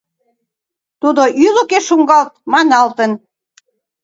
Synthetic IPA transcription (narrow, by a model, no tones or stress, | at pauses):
t̪ud̪oʔylokeʃuŋɡɑlt̪̚mɑnɑlt̪ən